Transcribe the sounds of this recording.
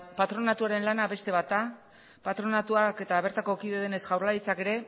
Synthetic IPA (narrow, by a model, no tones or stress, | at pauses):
pat̪ɾo̞nat̪uaɾe̞nlanaβe̞st̪e̞βat̪a | pat̪ɾo̞nat̪uake̞t̪aβe̞ɾt̪ako̞kiðe̞ðene̞sɣawɾlaɾit͡sake̞ɾe̞